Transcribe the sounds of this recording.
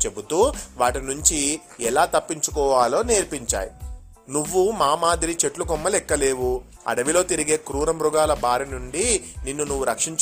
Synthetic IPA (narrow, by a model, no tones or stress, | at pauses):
t͡ʃebut̪uːʋaːʈinuɲt͡ʃi | ɛlaːt̪ɐpːiɲt͡ʃu̥kɔːʋaːlo̞ːneːɾpiɲt͡ʃa̰ːjḭ | nuʋːumaːmaːd̪iɾit͡ʃe̞ʈlukɔmːɐlɛkːɐle̞ːʋu | ɐ̰ɽɐʋilo̞ːt̪iɾiɡe̞ːkɾuːɾɐmɾuɡaːlɐbaːɾinuɳɖininːunuʋːuɾɐkʂiɲt͡ʃ